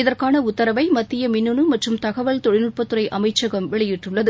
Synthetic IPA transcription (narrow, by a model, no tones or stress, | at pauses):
ɪðɐrkaːnɐʊt̪ːɐɾɐʋɐɪmɐt̪ːɪjɐmɪnːɯɳɯmɐʈrɯmt̪ɐɣɐʋɐɭt̪ɔɻɪnɯʈ̚pɐt̪ːɯɾɐɪʔɐmɐɪt͡ʃːɐɣɐmʋɪɭɐjɪʈːrɯɭːɐðɯ